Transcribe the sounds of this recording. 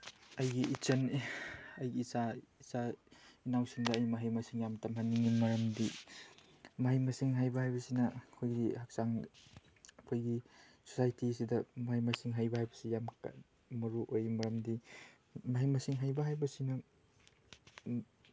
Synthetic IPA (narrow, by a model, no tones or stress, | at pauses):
ɐjɡiːt͡ʃɐn | ɐjɡiːsaisainawsiŋdɐːjmɐɦijmɐsiŋjamtamhanːiŋimɐɾɐmdi | mɐɦajmɐsiŋɦajbɐɦajbɐsinɐkʰojɡihak̚saŋ | kʰojɡi | so̥sajtisidɐmɐhajmɐsiŋɦajbɐɦhajbɐsijamka̰ | mɐɾuʔojmɐɾɐmdi | maɦijmɐsiŋɦajbɐɦajbɐsinɐ